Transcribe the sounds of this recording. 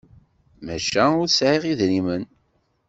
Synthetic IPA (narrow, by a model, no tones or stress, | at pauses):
mæʃæʊɾsʕiʁiðnimən